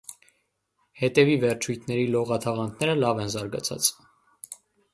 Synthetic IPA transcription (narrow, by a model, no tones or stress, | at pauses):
hɛt̪ɛvivɛɾt͡ʃʰujt̪ʰnɛɾilɔʁɑt̪ʰɑʁɑnt̪ʰnɛɾəlɑvɛnzɑɾɡɑ̰t͡sʰɑ̰t͡s